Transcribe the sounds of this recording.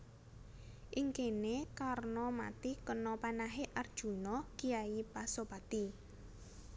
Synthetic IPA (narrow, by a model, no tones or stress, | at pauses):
ʔiŋkenekarnɔma̰t̪ikənɔpanaɦeʔard̥ʒ̥ṳnɔkiaipasopat̪i